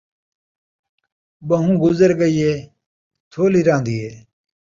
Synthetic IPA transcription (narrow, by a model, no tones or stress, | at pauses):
bɐɦũːɡʊzəɾɡəiːeː | t̪ʰoːliɾãːnd̪ieː